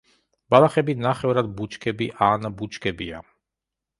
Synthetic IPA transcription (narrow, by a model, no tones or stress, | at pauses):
balˠaχɛbinaχɛvɾad̪̚but͡ʃʰkʰɛbiʔanbut͡ʃʰkʰɛbia̰